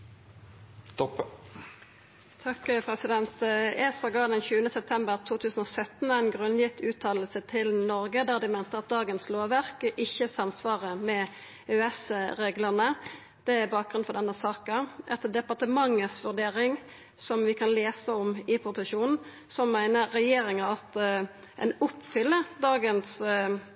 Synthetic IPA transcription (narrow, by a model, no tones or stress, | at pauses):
t̪ɔp | t̪ʰɑkpʰʁɛsɪd̪ɛnt̪ɛsɑɡɑːd̪ɛnçʉːənəsɛp̚t̪ʰɛmbəʁt̪ʰuːt̪ʰʉːsn̩ɔːsœt̪n̩æɪnɡʁʉnːjɪt̪ʰːʉːt̪ʰɑːllsət̪ʰɪlnɔɾɡəd̪æːʁd̪ɪmæɪnt̪əʁɑt̪̚d̪ɑːɡənsloːʋæʁkʔɪçːəsɑmsʋɑːʁəmɛ | øɛsʁeːɡləʁnə | d̪̥ɛæbɑːk̚ɡɾʁʉnfɔdɛnːəsɑːkəʔɛt̪əd̪ɛpɑʁt̪əmɑŋːəsʋʉʁɖ̪eːɾɪŋ | sɔmʋɪkʰɑnleːsəɔmɪpʰɾʊpɪʃuːnn̩ | sɔmːæɪnəɾɛjeːɾɪŋəɑt̪ | ʔɛ̰nʊpːfʏlːəd̪ɑːɡəns